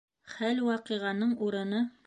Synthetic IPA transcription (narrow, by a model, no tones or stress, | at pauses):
χælwɑqiʁɑnɤɴuɾɤ̆nɤ